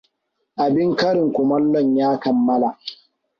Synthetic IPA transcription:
ʔa˨bɪ˦ŋkɐ˦ɾɪ˨ŋkʷʊ˨mɐ˦lːɔ˨ɲjaː˦kɐ˨mːɐ˦la˨

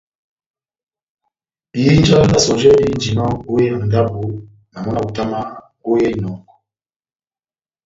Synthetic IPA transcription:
i˨ji˦nd͡ʒa˦la˦na˨sɔ˨ʒɛ˦di˦nd͡ʒi˨nɔ˦ɡu˦jɛ˦˨ŋɡa˦bu˨ | na˨mɔ˦na˨ku˨ta˦ma˦ | ku˦jɛ˦i˦nɔ˨ŋɡɔ˨

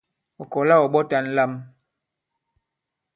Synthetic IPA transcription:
ɔ˨kɔ˨la˦˨ɔ˨ɓɔ˦ta˦n̩˦la˦m

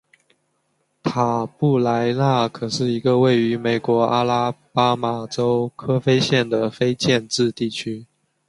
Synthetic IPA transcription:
t̪ʰa˨˩pu˥˩la˧˥ɪla˥˩kʰɤ˨˩ʂɻ̩˥˩i˧˥ɡə˧we˥˩ɪy˧˥me˨˩ɪkwɔ˧˥ʔa˥la˥pa˥ma˨˩ʈ͡ʂo˥ʊkʰɤ˥fe˥ɪɕjɛ˥˩nd̪ə˩fe˥ɪt͡ɕjɛ˥˧nʈ͡ʂɻ̩˥˧t̪i˥˩t͡ɕʰy˥

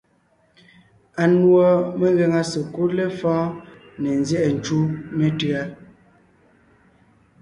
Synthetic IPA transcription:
a˨nwɔ˦me˦ɣɛ˦ŋa˦sə˨ku˦le˦fɔ̃ː˦ | ne˨n˨zjɛ˦ʔɛ˨n̩˨t͡ʃu˦me˦tɯ˦a˦

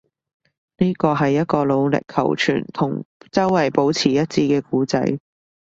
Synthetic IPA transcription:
niː˥kɔː˧ɦɐ˨jːɐ˥t̚kɔː˧lo˨˧wlɪ̰˨kʰɐ̰˨˩wt͡ʃʰy̰ː˨˩nt̪ʰʊ˨˩ŋt͡sɐ˥wːɐ˨˩jpo˨˥wt͡sʰiː˨˩jɐ˥t̚t͡siː˧kɛː˧kuː˨˥t͡sɐ̰˨˥j

